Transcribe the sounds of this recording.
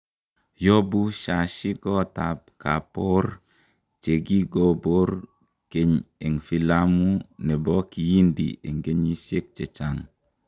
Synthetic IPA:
jo˦bu˦ʃa˨ʃi˦ɡɔ˦ta˨p̚ka˨po˦ɾ | t͡ʃe˨ɡi˦ɡo˦bo˦ɾ | ke˨ɲe˨ŋfi˨la˦mu˦nɛ˨bɔ˦ki˨ji˦ndḭ˨e˨ŋɡe˦ɲi˦se˦k̚t͡ʃe˨t͡ʃa˦ŋ

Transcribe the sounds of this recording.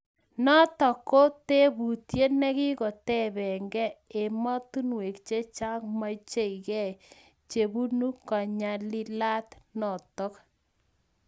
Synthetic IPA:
nɔ˦tɔ˨ko˦te˦bu˨tje˦nɛ˦ki˦kɔ˨tɛ˦˨βɛ˨ŋɡɛ˦e˨ma˦t̪u˦nwe˨kt͡ʃe˦t͡ʃa˦ŋma˦t͡ʃe˦˨i˨kɛ˦˨j | t͡ʃe˨bu˦nu˦ka˨ɲa˨lɪ˦la˦tnɔ˨tɔ˦k

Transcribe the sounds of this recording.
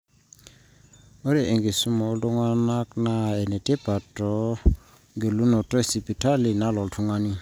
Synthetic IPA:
ɔ˦ɾɛ˨ʔe˨ŋɡe˨su˦mɔ˨˦ldu˦ŋa˦na˦kna˦ɛ˨nɛ˨te˦pa˨tɔ˨˦ | ŋɡe˨lu˦nɔ˨tɔ˦˨si˨pi˨tʰa˦li˨na˦lɔ˨ltʰu˦ŋa˦ni˦

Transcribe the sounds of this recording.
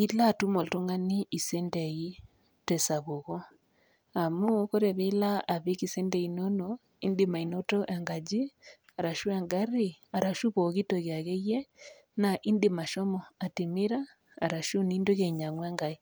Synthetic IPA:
i˦la˦tu˦mo˨lto˦ŋa˦ni˦i˨sɛ˦ndɛ˨i˦ | tɛsa˨βo˨ɣɔ˦ | a˨mu˦ko˦ɾe˨βila˦ʔa˨βe˦kisɛ˦ndɛi˨nɔ˦nɔ | i˦ndima˨i˨no˦tɔ˦ʔa˨ŋɡa˨d͡ʒi˦ | a˨ɾa˨ʃu˦aŋɡaɾi˦ | a˨ɾa˨ʃu˦βo˨ɣi˦toɣja˨ɣe˦je˦ | na˨ʔi˦ndima˨ʃɔmɔa˨ti˨mi˦ɾaː | ɾa˨ʃu˦ni˦ndo˦ɣe˨ɲa˨ŋwa˦ŋɡa˨i˦

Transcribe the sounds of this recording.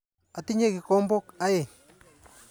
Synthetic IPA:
a˨t̪i˦ɲe˦ki˨ko˦mbo˦ka˦je˨

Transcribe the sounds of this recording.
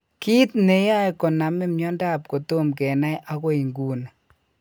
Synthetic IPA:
ki˦tne˨ja˦jkɔ˨na˨mɪ˦mɲɔ˦nda˦˨p̚ko˨to˦mkɛ˨na˦jʔa˦ko˦i˨ŋɡuː˨na˨

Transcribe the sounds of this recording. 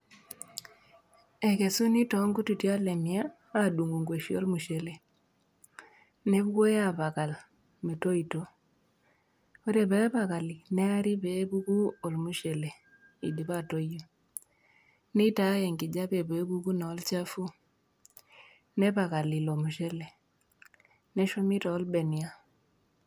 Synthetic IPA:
ɛ˨ke˨su˦ni˦tɔ˨˦ŋɡu˦tu˨tja˦lɛ˨mjaː˦ | du˨ŋɡu˨ŋɡwe˨ʃio̰˦lmu˨ʃe˨le˨ | ne˦βu˦ɡo˦ja˦βa˨ka˨l | me˨to˦i˨to˦ | o˦ɾe˨βɛ˦ba˨ka˨li˨nɛ˦a˦ɾi˦be˦bu˦ku˦ɔ˨lmu˦ʃe˨le˨ | ḭ˨di˨βa˦to˦jo˦ | nɛ˦ta˨˦jɛ˨ŋɡɪ˨d͡ʒa˦pɛ˨bɛ˨˦bu˦ku˦nɛ˨ɔ˨˦lt͡ʃa˦fu˦ | nɛ˦pa˨ka˨li˨lo˨mu˨ʃɛ˦le˨ | nɛ˦ʃo˦mi˦ta˨ɔ˦lbɛ˨ni˨a˦

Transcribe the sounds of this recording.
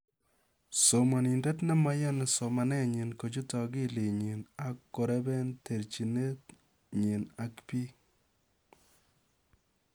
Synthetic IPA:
so˨mɔ˨ni˨ndɛ˦tnɛ˦ma˦jɔ˦ne˨so˨ma˨nɛ˦ɲi˨nko˨t͡ʃu˦tɔ˨ɡi˦le˨ɲi˨na˨kːo˨ɾɛ˦bɛ˦ntʰe˨ɾt͡ʃi˨ne˦t | ɲi˨na˨kpi˦

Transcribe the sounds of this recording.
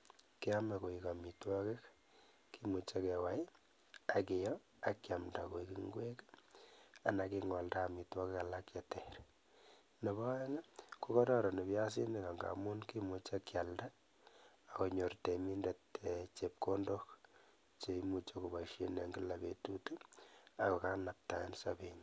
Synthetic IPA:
ki˦a˦ma˨ko˨ika˨mi˨twɔ˦ke˦k | ki˦mu˨t͡ʃa˦kewa˨j | a˨kɪ˨jɔ | akːamda˨ko˨ikiŋɡwe˦k | a˨naki˦ŋɔ˨ldaː˦˨mi˨twɔ˦keka˨lakja˨tɛ˨ɾ | ne˨ba˦ɛ˦ŋa˦ku˦kɔ˦ɾɔ˦ɾɔ˨ne˨pja˦s̬i˦ni˨ka˨ŋɡa̰˨mu˦nki˦mu˨t͡ʃa˦kja˨ldaː˦˨ | ko˨ɲo˨rte˨mi˦ndete˨t͡ʃep̚ko˦ndok | t͡ʃe˨imu˨t͡ʃe˦ku˨ba˨ʃe˦ne˨ŋɡi˦la˨bḛ˨tutu˦a˨kɔ˨ka˦na˨p̚ta˨˦nsa̰˦be˨ɲ

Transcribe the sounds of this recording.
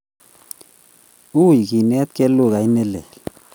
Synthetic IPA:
u˦˨jki˨nɛ˦t̪̚ke˦lu˦˨ɣa˨i˦ne˦lḛ˨l

